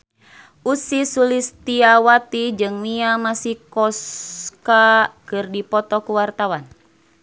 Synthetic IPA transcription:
ʔusisulist̪iawat̪id͡ʒɨŋmiamasihkɔskakɨrdipɔt̪ɔkuwart̪awan

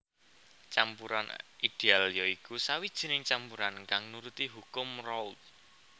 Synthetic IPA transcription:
t͡ʃampuɾanid̥ealjɔikusawid̥ʒ̥i̤nɪŋt͡ʃampuɾanŋkaŋnuɾut̪iɦukʊmrɔwt̪̚

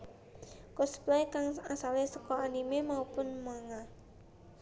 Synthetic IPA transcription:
kɔsplaikaŋasalesəkɔanimemaupʊnmaŋa

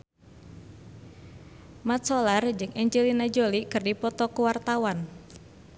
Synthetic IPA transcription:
mat̪sɔlard͡ʒɨŋɛɲd͡ʒelinad͡ʒolikɨrdipɔt̪ɔkuwart̪awan

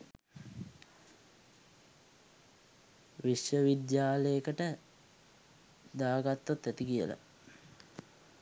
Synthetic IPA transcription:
ʋiʃjəʋid̪jaːləjəkəʈə | d̪aːɡat̪ːot̪ːæt̪ikijə̰la̰

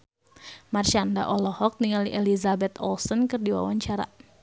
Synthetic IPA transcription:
marʃanda̰ʔɔlɔhɔk̚niŋaliʔelizabɛt̪ɔ̰lsɔnkɨrdiwa̰waɲt͡ʃaɾa̰

